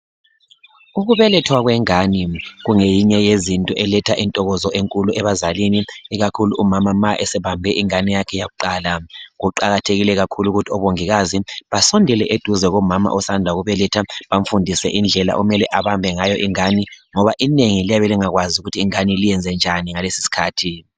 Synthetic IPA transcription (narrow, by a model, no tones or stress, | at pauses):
uɣuβɛlɛtʰwaɣwɛŋaniɣuŋejiɲɛjezintʼɔʔɛlɛtʰaʔintʼɔɣɔzɔʔeŋkʼuluɛβazaliniːɣakʰuluʔːmamamaʔɛsɛβambʱɛʔiŋanijakʰɛjaɣuǃaːlaɣuǃaɣatʰeɣilɛɣakʰuluɣutʰiɔβoŋiɣaziβasɔndʱɛlɛʔed̥ʱuzɛɣɔmama̰ʔɔsandʱaɣuβɛlɛtʰaβaɱ̩fundʱisɛ̰ʔind͡ɮʱɛla̰ʔumɛlɛʔaβambʱɛŋajɔʔiŋaniŋɔβaʔineŋilijaβɛliŋaɣwaziuɣutʰiːŋanilijɛnd͡zʱɛnd͡ʒʱaniŋalesi̥si̥kʰaːtʰi